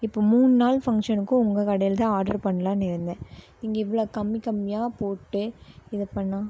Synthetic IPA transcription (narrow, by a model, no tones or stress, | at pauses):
ɪpːoːmuːnɯnaːlfɐŋkʂɐnɯkːʊ̃ʊŋɡɐkɐɽɐjɪlt̪ãːaːɾɖɐɾpɐɳːɐlãːnɪɾɯnd̪ɛ̃ː | ɪŋɡɐɪʋːɐɭoːkɐmːɪkɐmːɪjaːpoːʈːɯɪðɐpɐɳːãː